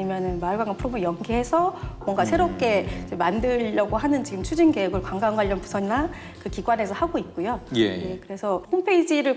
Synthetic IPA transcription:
imjʌnɯnmaɭɡwaŋɡapʰɯɾomɯɭjʌŋɡiɦe̞sʰʌmwʌŋɡasʰeɾop̚k͈e̞d͡ʑemandɯʎːʌɡoɦanɯnt͡ɕiɡɯmt͡ɕʰud͡ʑinɡeeɡɯɭkwaŋɡanɡwaʎːʌnpusʰʌɲina | kɯkiɡwane̞sʰʌhaɡoit̚k͈ojojeje̞kɯɾe̞sʰʌhompʰe̞id͡ʑiɾɯɭ

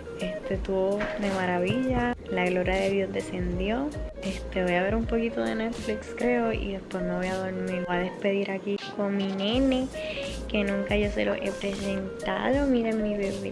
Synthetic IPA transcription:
e̞st̪et̪uβoðe̞maɾaβiʎalaɣlo̞ɾjaðe̞ðjo̞zd̪e̞se̞nd̪jo̞e̞st̪eβo̞jaβe̞ɾumpo̞kit̪o̞ðe̞̰ne̞t̪flikskɾe̞oḭðe̞spwe̞smoβo̞jaðo̞ɾmiɾaðe̞spe̞ðiɾʔakiko̞ŋminẽ̞ne | ke̞nũŋkaʝo̞se̞̰lo̰ʔe̞pɾe̞se̞nt̪a̰ðo̞miɾemːiβeβḛ

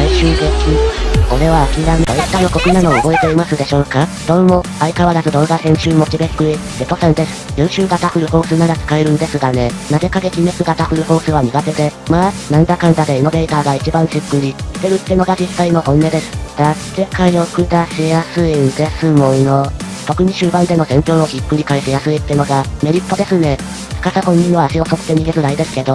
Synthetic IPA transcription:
aiɕɨːɡekʲiko̞ɾe̞βaːkʲiɾamid̪oit̪ːaj̪oko̞kɯ̟nano̞ɯɡo̞e̞t̪e̞imasɨd̪e̞ɕo̞ːkad̪̥õ̞ːmo̞ | aikaβaɾazɨd̪õ̞ːɡahẽ̞ɰ̃ɕɨːmo̞t͡ɕibekɯ̟ɾi | et̪osãnd̪e̞sɨ̥jɯ̟̃ɰɕɨːɡat̪aɸɯ̟ɾɯ̟ho̞ːsɨnad̪akɨ̥kaeɾɯ̟̃nd̪e̞sɨɡane̞naze̞kaɡekʲime̞kɨɡat̪aɸɯ̟ɾɯ̟ho̞ːsɨβ̞aɲ̟iɡat̪e̞d̪e̞maːnãnd̪akãɯ̃nt̪ad̪e̞eno̞be̞it̪aːɡait͡ɕibãɕɨkːɯ̟ɾʲi̥t̪e̞ɾɯ̟t̪ːe̞no̞ɡaʑisaino̞hõ̞nːe̞d̪e̞sɨ̥d̪̥a | sekaiokɯ̟d̪aɕejasɨind̪e̞sɨmõ̞no | t̪o̞kɯ̟ɲ̟iɕɨːbãnd̪e̞no̞sẽ̞mpʲjo̞ːno̞ɡʲikːɯ̟ɾʲikaiɕejasɨit̪ːeno̞ɡame̞ɾʲit̪ːo̞d̪e̞sɨne̞̥ | kasahõ̞ɲ̟ːĩaːɕio̞soko̥t̪e̞ɲ̟iɡezɨɾaid̪e̞sɨ̥ke̞d̪o̞

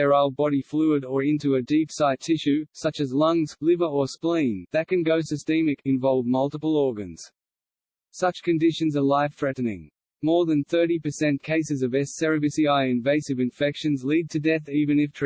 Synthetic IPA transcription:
ə˞aʊl̚ˠbɑɾiflʉəɾə˞ɪ̃ntʉɨdipsaɪtʰɪʃʉsʌt͡ʃɨzlʌ̃ŋz̥lɪvə˞ə˞splĩnðɨt̚kɨ̃nɡoʊsɨstĩmɨkʰɨ̃ɱvɑlˠvmʌlˠtəpəl̩ˠɔɹɡɨ̃nz̥ | sʌt͡ʃkʰɨ̃ndɪʃɨ̃n̩zə˞laɪfθɹɛʔn̩ɪ̰̃ŋ | mɔɹðɨ̃nθɜ˞ɾipə˞sɛ̃nkʰeɪsɨzʌvɛsɛɹɨbɨsiaɪɨ̃ɱveɪsɨvɨ̃ɱfɛkʃɨ̃nzlid̚tʰɨdɛθivɨ̃nɨftʰ

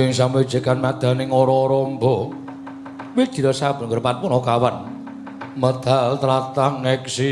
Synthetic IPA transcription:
ɪŋsamwe̥ʒ̥ə̤kanmad̪̥a̤nɪŋɔɾɔːɾɔmbɔ | wed̥ʒ̥i̤ɾɔsab̥ə̤nkəɾpanpunɔkawan | məd̪̥alt̪ɾat̪aŋːɛksi

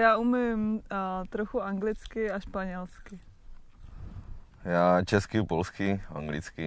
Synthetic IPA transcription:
jaːumɪmt̪ɾoxuaŋɡlɪt͡skɪaʃpaɲɛlskɪ | jaːt͡ʃɛskɪpolskɪa̰ŋɡlɪ̰t͡skɪ

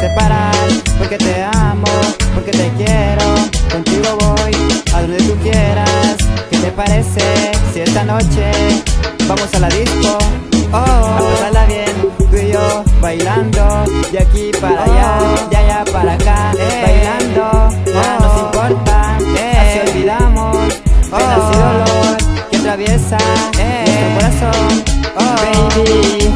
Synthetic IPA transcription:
t̪epaɾaɾpoɾke̞t̪eamopoɾket̪ekjeɾokont̪iɣoβojaðond̪et̪ukjeɾasket̪epaɾesesiesanot͡ʃe | bamosalaðisko | bamosalaβjent̪wijoβajland̪ojakipaɾajajaʝapaɾakabajland̪oanosimpo̞ɾt̪aasiolβiðamosenasiðoloɾkeat̪ɾaβje̞sanet̪ɾekoɾasoŋbent̪i

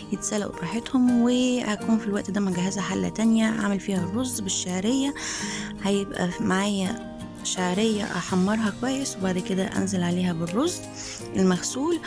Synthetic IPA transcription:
jet̪sælːæ̰ʔṵfɾˤɑħet̪homwehækuːnfilwæʔt̪d̪æːmæɡæɦæzhæħalːæ̰t̪ænjæʕa̰melfiːhærˤːozːbɪʃːaʕɾejːæhæjebʔæ̰maʕaːjæ | ʃaʕɾejːæ̰ʔɑ̰ħamːɑɾˤɦɑkwæjːeswebaʕd̪ked̪æʔæ̰nzelʕaleːhæbɪrːozː | ʔelmæxsuːl

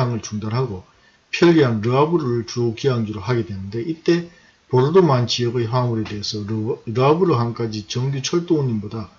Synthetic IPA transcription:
aŋɯɭt͡ɕuŋdanɦaɡo | pʰjʌʎːiɦanɾɯabɯɾoɾɯɭt͡ɕuokiaŋd͡ʑuɾoɦaɡe̞dwe̞nɯnde̞ʔit͈e̞ | poɾɯdomant͡ɕijʌɡɯɦwamuɾe̞de̞esʰʌɾɯabuɾoɦamk͈ad͡ʑit͡ɕʌŋɡut͡ɕʰʌɭt͈ooɲːimboda

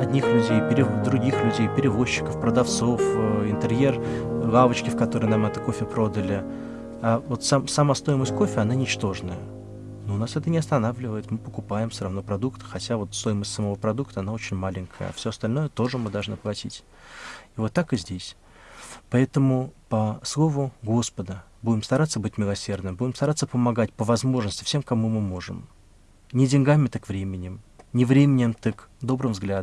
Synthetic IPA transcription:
ɐdʲnʲixlʲʉdʲejpʲɪɾʲɪvd̪ɾʊɡʲixlʲʉdʲejpʲɪɾʲɪvo̞ɕːɪ̥kəfpɾəd̪ɐft̪so̞fəɪnt̪ɨɾʲje̞rlˠavət͡ɕkʲɪfkɐt̪o̞ɾɨjnamɛt̪ə̥ko̞fʲɪpɾo̞d̪əlʲɪ | avot̪samsɐmast̪o̞jɪməsʲt̚ʲko̞fʲɪɐnanʲɪt͡ɕt̪o̞ʐnəjə | nunasɛt̪ənʲɪɐst̪ɐnavlʲɪvəɪt̪mɨpəkʊpajɪmsʲəɾɐvnopɾɐd̪ukt̪xɐtʲavo̞t̪st̪o̞jɪməsʲtʲsəmɐvo̞pɾɐd̪ukt̪əɐnao̞t͡ɕɪnʲmalʲɪŋʲkʰəjə̰a̰fsʲoɐst̪ɐlʲno̞jət̪o̞ʐɨmɨd̪ɐlˠʐnɨplˠɐtʲitʲ | ivo̞t̪ːakɨzʲdʲesʲ | pɐɛt̪əmʊpəslˠovʊɡo̞spəd̪ə | budʲɪmst̪ɐɾat̪səbɨtʲmʲɪlˠɐsʲe̞rd̪nɨmbudʲɪmst̪ɐɾat̪səpəmɐɡatʲpəvɐzmo̞ʐnəsʲtʲɪ̥fsʲe̞mkɐmumɨmo̞ʐɨ̰m | nʲɪdʲɪnʲɡamʲɪt̪ɨkvɾʲemʲɪnʲɪmnʲɪvɾʲemʲɪnʲɪmt̪ɨkd̪o̞bɾɨmvzɡlʲad̪

